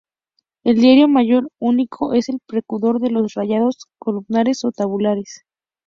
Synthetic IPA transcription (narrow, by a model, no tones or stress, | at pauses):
e̞ld̪jaɾjo̞maʝo̞ɾunikʰo̞ʔe̞se̞lpɾekuðo̞ɾðe̞lo̞sraʝaðo̞skolumnaɾe̞so̞t̪aβulaɾes